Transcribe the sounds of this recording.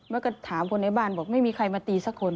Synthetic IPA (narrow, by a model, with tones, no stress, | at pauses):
mɛː˧˥˦ka˧˩t̪ʰaː˨˦mpʰkʰo˧nːa˧˩jbaː˥˩˨nbɔː˨˩˦k̚ma˥˩jmiː˧kʰa˧jmaː˧t̪iː˧sa˧˥kʰːo˧n